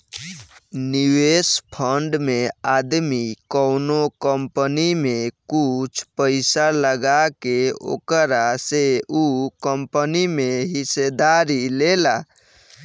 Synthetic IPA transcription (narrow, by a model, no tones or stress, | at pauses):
niwespʰəɳɖmead̪mikəʊnokəmpənimekut͡ʃʰpəɪsaləɡakeo̰kəɾaseukəmpənimeɦised̪aɾilela